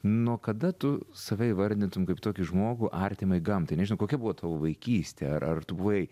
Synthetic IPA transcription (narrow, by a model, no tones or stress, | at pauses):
nuɔkɐd̪ɐt̪ʊsɐʋʲɛɪʋɐɾʲd̪ʲɪnt̪ʊmkɐɪpit̪oːkʲɪʒmoːɡʊʔɑːrʲt̪ʲɪmɐɪɡɐmt̪ɐɪnʲɛʒʲɪnɐʊkoːkʲɛbuʋoːt̪ɑːʋoːʋɐɪkʲiːsʲt̪ʲɛɐɾʔɐrt̪ʊbuʋjɛɪ